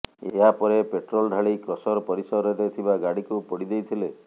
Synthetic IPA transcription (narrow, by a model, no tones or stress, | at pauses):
ḛɦapɔɾepeʈɾolɖʱaɭikɾɔsɔɾɔpɔɾisɔɾeɾet̪ʰibaɡaɽikupɔɽid̪ejt̪ʰile